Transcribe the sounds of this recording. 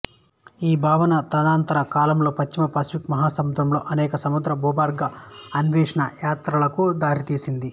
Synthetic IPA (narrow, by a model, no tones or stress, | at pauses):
iːbʱaːʋɐnɐt̪ɐd̪aːnt̪ɐɾɐkaːlɐmlo̞ːpɐt͡ʃt͡ʃimɐpaːsi̥pikmɐɦaːsɐmud̪ɾɐmlo̞ːʔɐnɛːkɐsɐmud̪ɾɐbʱɔːbaːɾɡɐɐnʋɛːʂɐɳɐjaːt̪ɾɐlɐkud̪aːɾit̪iːsind̪i